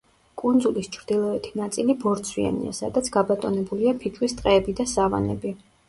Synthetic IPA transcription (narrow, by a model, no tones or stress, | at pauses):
kʼund̪zulist͡ʃʰɾd̪̥ilˠɔɛt̪ʰinat̪sʼilibɔɾt̪sʰwia̰nḭa̰sad̪at̪sʰɡabat̪ʼɔnɛbuliapʰit͡ʃʰʼwist̪ʼqʼɛːbid̪asava̰nɛ̰bi